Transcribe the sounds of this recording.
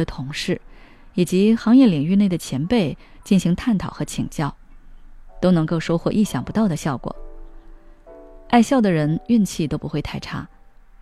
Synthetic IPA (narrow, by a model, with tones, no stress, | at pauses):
ə˩t̪ʰʊ˧˥ŋʂɻ̩˥˩ | i˨˩t͡ɕi˧˥xɑ˧˥ŋjɛ˥˩li˨˩ŋy˥˧ne˥˩ɪd̪ə˩t͡ɕʰjɛ˧˥npe˥˧ɪ | t͡ɕi˥˩nɕi˧˥ŋt̪ʰa˥˩nt̪ʰɑ˨˩ʊxɤ˧˥t͡ɕʰḭ˨˩ŋt͡ɕjɑ˥˩ʊ | t̪o˥ʊnɤ˧˥ŋko˥˧ʊʂo˥ʊxwɔ̰˥˩ʔi˥˩ɕjɑ˨˩ŋpu˧˥t̪ɑ˥˩ʊd̪ə˩ɕjɑ˥˩ʊkwɔ̰˨˩˦ | a˥˧ɪɕjɑ˥˩ʊd̪ə˩ɻə˧˥ny˥˧nt͡ɕʰi˥˩t̪o˥ʊpu˧˥xwe˥˧ɪt̪ʰa˥˧ɪʈ͡ʂʰa̰˥